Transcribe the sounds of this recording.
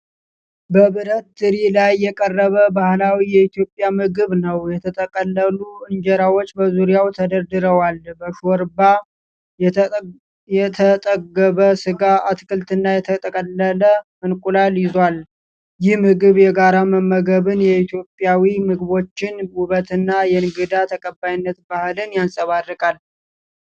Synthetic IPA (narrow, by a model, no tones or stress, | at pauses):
bəβɨɾət̪̚d̪ɨɾilajːɛkʼərːəβəbahlawijɛit̪jo̞pʼːjamɨɡɨβnəwjɛt̪ʰət̪ʼəkʼəlːəluɨɲd͡ʒɛɾawot͡ʃːbəzuɾijawt̪ʰəd̪əɾd̪ɨɾəwalbəʃoɾba | jɛt̪ʰət̪ʼəɡəβəsɨɡaʔat̪kʰɨlt̪ɨnːajɛt̪ʰət̪ʼəkʼəlːələmɨnkʼulaljɪzwal | jɪhmɨɡɨβjɛɡaɾaməmːəɡəβɨnjɛit̪ʰjo̞pʼːjawimɨɡɨβo̞t͡ʃːɪnwʊβət̪ʰɨnːajɛnɡɨd̪at̪ʰəkʼəbːajnːət̪bahɨlɨnjansʼəβaɾɾɨkʼal